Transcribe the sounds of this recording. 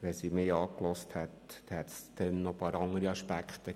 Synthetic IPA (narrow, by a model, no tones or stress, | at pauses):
ʋɛsimeːɑːklɔsthɛt̪hɛtsd̪̥ɛnːɔpɑːɾɑŋəɾiɑʃpækχt̪ə